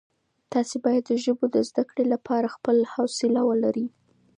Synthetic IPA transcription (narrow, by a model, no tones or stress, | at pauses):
t̪ɑsebɑjad̪ːəʒəbod̪əzd̪akɽelapʰɑɾaxpəlhawsɪlawəlaɾi